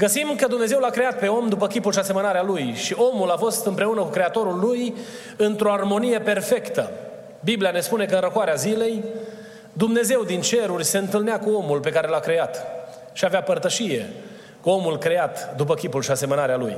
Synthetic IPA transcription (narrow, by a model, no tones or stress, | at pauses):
ɡəsimkəd̪umne̞ze̞wlakɾe̞at̪̚pe̞o̞md̪upəkʲipulʃiase̞mənaɾealujʃio̞mulafo̞st̪ɨmpɾe̞unəkukɾe̞at̪o̞ɾulːuj | ɨnt̪ɾo̞armo̞nijepe̞rfe̞kt̪ə | bibliane̞spune̞kəɨnrəkwaɾeazile̞j | d̪umne̞ze̞wd̪int͡ʃe̞ɾurʲseɨnt̪ɨlneakuo̞mulpe̞kaɾe̞lakɾe̞at̪ | ʃiaveapərt̪əʃije̞̰ | kuo̞mulkɾe̞at̪d̪upəkʲipulʃiase̞mənaɾealuj